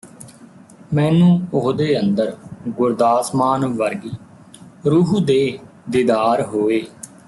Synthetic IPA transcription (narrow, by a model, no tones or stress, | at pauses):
mɛ̃ːnũːʊɦd̪eːənd̪əɾɡʊɾd̪aːsmaːnʋəɾɡiː | ɾuːɦd̪eː | d̪ɪːd̪aːɾɦoːeː